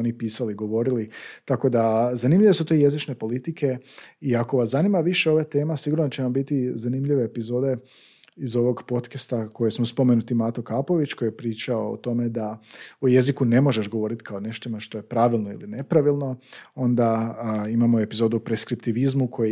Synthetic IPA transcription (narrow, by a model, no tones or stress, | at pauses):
onipiːsaliɡo̞ʋo̞ɾilit̪ako̞d̪azanimʎiʋe̞sut̪oje̞zit͡ʃne̞po̞lit̪ike̞iako̞ʋaszanimaʋiʃe̞o̞ʋat̪e̞ːmasiɡuɾnot͡ɕe̞ʋambit̪izanimʎiʋe̞ːpizo̞ːd̪e̞ | izo̞ʋo̞ɡpo̞t̪kast̪ako̞jesmospo̞me̞nut̪imat̪okaːpo̞ʋit͡ɕko̞jijepɾiːt͡ʃao̰ːt̪o̞me̞d̪auje̞zikune̞mo̞ʒe̞ʃɡo̞ʋo̞ːɾit̪i̥kʰaone̞ʃt̪omaʃt̪o̞je̞pɾaʋilˠno̞ḭline̞pɾaʋilˠno̞o̞nd̪aimamo̞e̞pizo̞ːd̪upɾeskɾipt̪iʋizmukʰo̞j